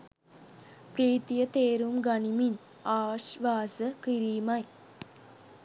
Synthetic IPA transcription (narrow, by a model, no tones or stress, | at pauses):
pɾiːt̪ijɐt̪eːɾumɡɐnimin | aːʃʋaːsɐkiɾiːmɐj